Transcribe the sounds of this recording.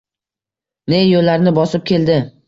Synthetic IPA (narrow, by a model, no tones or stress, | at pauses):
ne̞jolːaɾnɪbɒsɪp̚kʲe̞ld̪ɪ